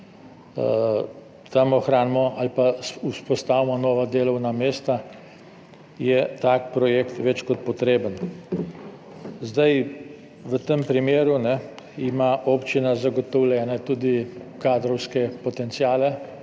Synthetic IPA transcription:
t̪amɔxɾaːnmɔʔalpauspɔst̪awmɔnɔʋad̪eːlɔwnameːst̪a | jɛt̪ak̚pɾɔjekt̪ʋɛt͡ʃkɔt̪̚pɔt̪ɾeːbən | zd̪aj | ʋət̪əmpɾimeːɾunɛimaʔoːpt͡ʃinazaɡɔt̪ɔwlʲjɛːnat̪uːd̪ikad̪ɾɔwskɛpɔt̪ɛnt̪siaːlɛ

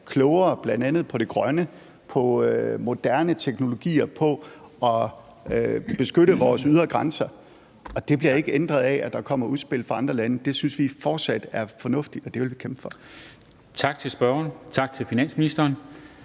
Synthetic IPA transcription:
kʰlɔʊɐb̥lænd̥ænð̩ˠpʰɒ̽ɾ̥e̝ɡ̥ʁɶnə | pʰɒ̽ømo̝d̥æɐnət͡sʰeɡ̥no̝lo̝ɡ̥ḭːɐpʰɒ̽ɒ̽ | øb̥e̝sɡ̥øɾəʋɒːsyð̞ˠɐɡ̥ʁɑnsɐ | ɒ̽d̥e̝b̥liɐe̝ɡ̥əend̥ʁɐðˠɛæd̥ɑ̈kʰɒ̽m̰ɐuð̞ˠsb̥e̝l̰fʁɑ̈ɑ̈nd̥ʁɐlænəd̥e̝synsʋifɒːd̥sæd̥æɐfɒ̽nɔ̽fd̥id̥ɒ̽d̥e̝ʋe̝lʋikʰemb̥fɒ̽ | t͡sʰɑ̈ɡ̥̚t͡sʰe̝lsb̥ɶɐnt͡sʰɑ̈ɡ̥̚t͡sʰe̝lfinæn̰sminisd̥ɐːn

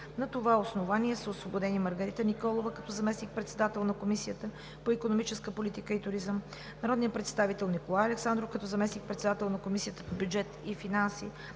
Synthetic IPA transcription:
nɐt̪ovaosnovaniɛsəosvobod̪ɛniməɾɡɐɾit̪ənikɔlˠovəkɐt̪ɔzɐmɛsnik̚pɾɛt̪sɛd̪at̪ɛlˠnɐkomisijət̪ə | poikonomit͡ʃɛskəpolit̪ikəit̪ʊɾizəm | nɐɾɔd̪nijəpɾɛt̪st̪avit̪ɛlˠnikolˠajɐlɛksand̪ɾofkɐt̪ɔzɐmɛsnik̚pɾɛt̪sɛd̪at̪ɛlˠnɐkomisiət̪əpobʲjud͡ʒɛt̪ifinansi

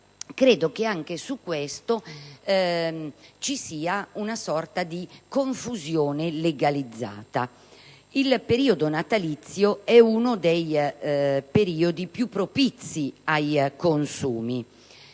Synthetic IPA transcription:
kɾeːd̪okeaŋk̟esukːwɛst̪o | t͡ʃisiːaunasɔrt̪ad̪ikoɱfuzjoːneleɡalid̪zːa̰ːt̪a | ilpeɾiːod̪onat̪alit̪sːjoɛunod̪ɛj | peɾiːod̪ipjupːɾopit̪sːiajkonsuːmi

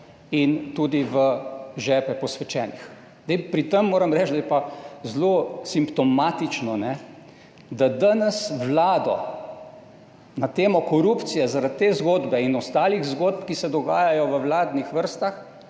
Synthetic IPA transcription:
int̪uːd̪iʋəʒɛːpɛpɔsʋɛt͡ʃɛːnix | zd̪ɛɪpɾit̪əmːoːɾəmɾɛt͡ʃd̪ajɛpazlosimpt̪ɔmaːt̪it͡ʃnɔnɛ | d̪ad̪anɛsʋlaːd̪ɔ̰ | nat̪eːmɔkɔɾuːpt̪sijɛzaɾat̪ːeːzɡoːd̪bɛinɔst̪aːliɣzɡoːd̪̚pkisɛd̪ɔɡaːjajɔʋəwlaːd̪nixʋəɾst̪ax

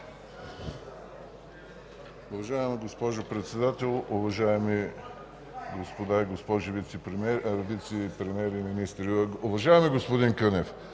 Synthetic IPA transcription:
ʊvɐʒaɛmiɡospɔʒopɾɛt̪sɛd̪at̪ɛlˠʊvɐʒaɛmi | ɡospod̪aiɡospɔʒivit̪sɛpɾɾvit̪sɛpɾɛmɛɾiminist̪ɾiʊvɐʒaɛmiɡospod̪inkənɛf

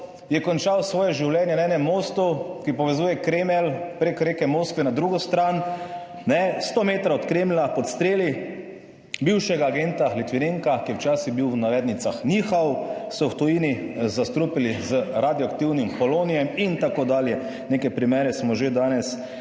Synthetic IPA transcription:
jɛkɔnt͡ʃawsʋɔːjɛʒiwlɛnjɛnɛːnɛmːost̪ukipɔʋɛzuːjɛkɾeːmɛlpɾekɾeːkɛmoːskʋɛnad̪ɾuɡɔst̪ɾan | nɛst̪oːmeːt̪ɾaɔt̪kɾemlapɔt̪st̪ɾeːli | biwʃɛɡaːɡent̪alit̪ʋineŋkakijɛwt͡ʃaːsiɣbiwwnaʋɛːd̪nit̪saxniːxawsɔwt̪ɔjiːnizast̪ɾupilizəɾad̪jɔakt̪iwnimkɔloːnijɛmint̪akod̪aːljɛ | neːkɛpɾimɛːɾɛsmɔʒed̪aːnɛs

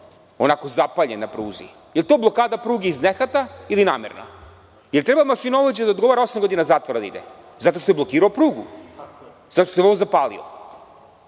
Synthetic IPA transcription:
o̞nako̞zapaʎenːapɾuːzḭ | jelt̪oblˠo̞kaːd̪apɾuːɡeiznexat̪ailinaːmḛɾna̰ | jelˠt̪ɾebamaʃinaoʋed͡ʑed̪aod̪ɡo̞ʋoɾao̞samɡo̞d̪inazaːt̪vʋoɾad̪aḭd̪ḛ | zat̪o̞ʃt̪ojblˠo̞kiːɾaopɾuːɡṵ | zat̪ot̪ojoʋozapaːlḭo̰

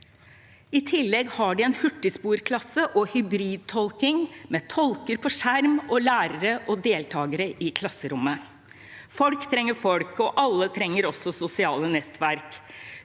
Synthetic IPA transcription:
ɪt̪ʰɪlːɛɡhɑɖɪɛnhʉʈːəspuːɾkʰlɑsəʔɔhʏbɾiːd̪̚t̪ʰɔlkɪŋmeːt̪ʰɔlkəɾpʰɔʂæɾmɔlæːɾəɾəʔɔd̪eːlt̪ʰɑːɡəɾəʔɪkʰlɑsəɾʊmːə | fɔlkt̪ʰɾɛŋːəɾfɔlkɔʔɑlːət̪ʰɾɛŋːəɾɔsːɔsʊsɪɑːlənɛt̪ʰːʋæɾk

